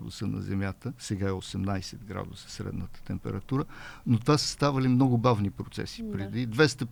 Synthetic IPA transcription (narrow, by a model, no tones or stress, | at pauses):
d̪ʊsənɐ̰zɛmʲjat̪əsɛɡaɛosɛmnajsɛt̪ɡɾa̰d̪ʊsə̥sɾɛ̰d̪nət̪ə̥t̪ɛmpɛ̰ɾɐt̪uɾənot̪vasə̥st̪avəlimnɔɡʊbavnipɾot̪sɛ̰si̥pɾɛd̪id̪vɛst̪ə